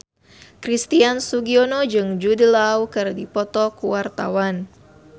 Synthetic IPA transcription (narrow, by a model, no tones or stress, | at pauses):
kɾist̪iansuɡiɔnod͡ʒɨŋd͡ʒudəlawkɨrdipɔt̪ɔkuwart̪a̰wan